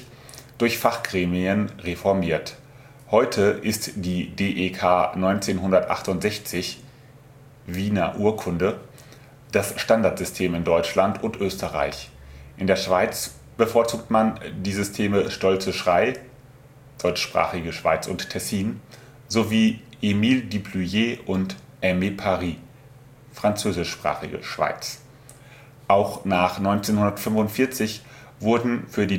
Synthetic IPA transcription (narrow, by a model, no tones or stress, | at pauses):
d̥ʊɐçfaχɡ̥ʁeːmiənʁefɔɐmiːɐt | hɔʏtʰəʔɪstd̥iːdeːʔekʰaːnɔʏnt͡seːnɦʊndɐtʔa̰χtʊntz̥ɛçt͡sɪç | viːnɐ̰ʔuːɐkʰʊndə | d̥asʃtandaɐtz̥ʏstʰeːmɪndɔʏt͡ʃlantʊntʔøːstəʁa̰ɪçʔɪndeːɐʃv̥aɪt͡s | b̥əfoːɐt͡suːk̚tmandiːzʏstʰeːməʃtɔlt͡səʃʁ̥aɪ | d̥ɔʏt͡ʃʃpʁ̥a̰ːχɪɡəʃv̥a̰ɪt͡sʊ̰nttʰːɛsiːn | zoviːʔemiːldiplujeːʔʊnt | ʔɛmepʰaʁiː | fʁ̥ant͡søːzɪʃpʁ̥a̰ːχɪ̰ɡə̰ʃv̥a̰ɪt͡s | ʔaʊxnaːχnɔʏnt͡seːnhʊndɐtfʏmvʊntfɪɐt͡sɪç | v̥ʊɐdn̩fyːɐdiː